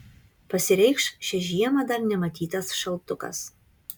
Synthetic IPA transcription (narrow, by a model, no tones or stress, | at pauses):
pɐsʲɪɾʲɛɪkʃʃʲɛʒʲiɛmɐd̪ɐɾnʲɛmɐt̪ʲiːt̪ɐsʃɐlˠt̪ʊkɐ̰s